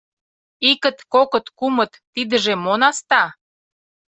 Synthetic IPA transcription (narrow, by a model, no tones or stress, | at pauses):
ikə̆t̪kokə̆t̪kumət̪ːid̪ə̆ʒemonɑst̪ɑ